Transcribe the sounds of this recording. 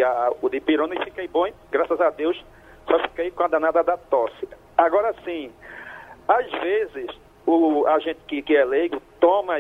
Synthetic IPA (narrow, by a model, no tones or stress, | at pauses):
aʊd̪ɪpiɾõnɪfikejbõ | ɡɾasɐzad̪ews | sɔfi̥kejkõad̪ãnad̪ɐd̪ɐt̪ɔsɪ | aɡɔɾasĩ | azvezɪs | ʊaʒẽt̪ɪ̥kɪkɪɛlejɡʊt̪õmɐ